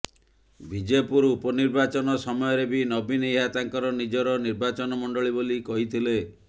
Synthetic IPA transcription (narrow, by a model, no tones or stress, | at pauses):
bʱid͡ʒepuɾupɔniɾbat͡ʃɔnɔsɔmɔjɔɾebinɔbiniat̪aŋkɔɾɔnid͡ʒɔɾɔniɾbat͡ʃɔnɔmɔɳɖɔɭibolikɔɦit̪ʰile